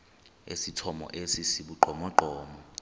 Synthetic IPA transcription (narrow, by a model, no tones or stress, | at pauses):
esitʰɔmɔ̰ʔesisiɓuǃʱɔmɔǃɔːmɔ